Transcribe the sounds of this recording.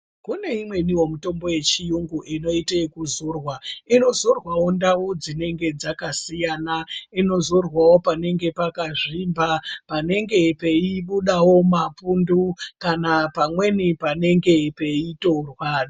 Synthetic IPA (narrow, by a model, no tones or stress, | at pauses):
kune̞imwe̞niwo̞muto̞mbo̞je̞t͡ʃijuŋɡuʔino̞itekuzoːrwaino̞zorwawo̞ndaud͡zine̞ŋɡe̞d͡zakasijanaino̞zo̞rwawo̞pane̞ŋɡe̞pakaʐimbapane̞ŋɡe̞pe̞iɓuɗawo̞mapundukanapamwe̞nipane̞ŋɡe̞pe̞ito̞rwa